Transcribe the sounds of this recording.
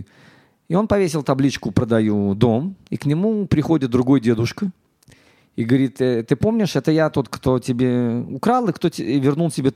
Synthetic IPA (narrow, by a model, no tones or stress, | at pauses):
ɪo̞npɐvʲesʲɪlˠt̪ɐblʲit͡ɕkʊpɾəd̪ɐjud̪o̞miknʲɪmupɾʲɪxo̞dʲɪt̪̚d̪ɾʊɡo̞jdʲe̞d̪ʊʂkə | iɡəvɐɾʲit̪t̪ːɨpo̞mnʲɪʂɛt̪əjat̪o̞t̪kt̪o̞tʲɪbʲe̞ʊkɾalˠɨkt̪o̞ɪvʲɪrnulˠtʲɪbʲe